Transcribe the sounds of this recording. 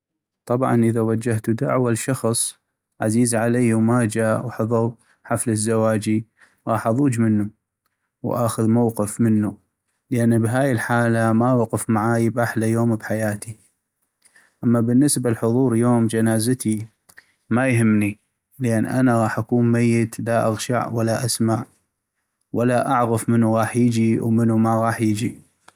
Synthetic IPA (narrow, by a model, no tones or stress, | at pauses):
t̪ˤɑbʕɑ̰nʔəðawad͡ʒːaht̪ud̪a̰ʕwalʃɑxsˤ | ʕaziːzʕalajːwmad͡ʒaːʔwħɨðˤɑ | ħafləzːawaːd͡ʒi | ɣɑːħʔɑðˤuːd͡ʒmənːu | wʔaːxʊðmawqɨfmənːu | ləʔanːbɦaːjəlħaːlamawaqɨfmaʕaːjbaħlajoːmbħajaːt̪i | ʔamːabənːəsbalħʊðˤuːɾˤjoːmd͡ʒanaːzat̪i | majɦɪmːni | lʔanːʔa̰naɣɑːħʔakuːnmajːət̪laʔa̰ɣʃa̰ʕwalːaʔasmaʕ | walːaʔaʕɣəfmənːuɣɑːħjɪd͡ʒiwmənumaɣɑːħjɪd͡ʒi